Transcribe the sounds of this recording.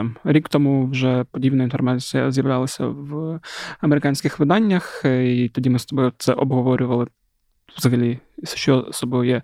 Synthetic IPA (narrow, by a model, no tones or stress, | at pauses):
mɾʲikt̪ɔmuwʒɛpɔdʲibnɐinfɔrmɑt͡sʲijɐ̰zjɐwlʲɑlˠɐsʲɐ̰ʋ | ɐmeɾɪkɑnʲsʲkɪxʋɪd̪ɑnʲːɐxit̪ɔdʲimɪst̪ɔbɔt̪sɛʔɔbɦɔʋɔɾʲʊʋɐlˠɪ | ʋzɐɦɐlʲiʃt͡ʃɔsɔbɔjɛ